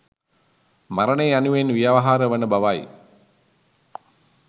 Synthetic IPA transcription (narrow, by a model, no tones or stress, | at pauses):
maɾəneanuʋenʋijaʋaɦaːɾəʋənəbaʋaj